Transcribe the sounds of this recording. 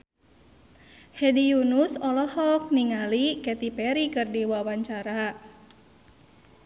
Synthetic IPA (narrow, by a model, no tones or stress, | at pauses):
hɛdijunusɔlɔhɔk̚niŋalikɛt̪ipɛɾikɨrdiwawaɲt͡ʃaɾa